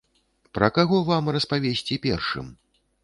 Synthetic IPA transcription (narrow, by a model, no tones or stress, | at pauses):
pɾɐkaɣɔvamrɐspavʲesʲt͡sʲipʲɛ̰rʂɨ̰m